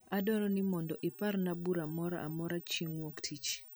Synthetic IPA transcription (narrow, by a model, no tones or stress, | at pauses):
adɔɾɔnɪmɔndɔʔɪparnabuɾamɔɾaʔa̰mɔɾat͡ʃiŋwoktʰit͡ʃ